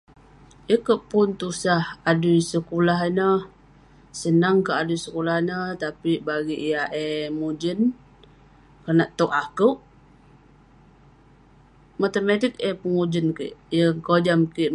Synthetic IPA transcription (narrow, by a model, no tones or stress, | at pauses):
ʔikəʔpʊnt̪usahadujsəkulaɦinə | sənaŋkəʔadujsəkulahnət̪apibaɡiʔijaʔemud͡ʒən | kənaʔt̪oʔakəʔ | mat̪əmat̪ik̚epəŋud͡ʒənkḭʔjəŋkod͡ʒamki